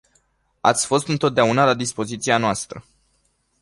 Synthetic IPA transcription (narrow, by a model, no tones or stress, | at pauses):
a̰t̪sʲfo̞st̪ɨnt̪o̞t̪̚d̪eaunalad̪ispo̞zit̪sianoast̪ɾə